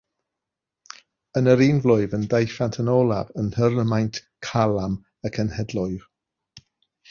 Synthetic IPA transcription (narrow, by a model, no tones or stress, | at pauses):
ənəɾiːnvlʊɨvəndejfantʰənɔlˠavənhərəmajntʰ | kʰalˠam | əkʰənhɛdlˠʊɨv̥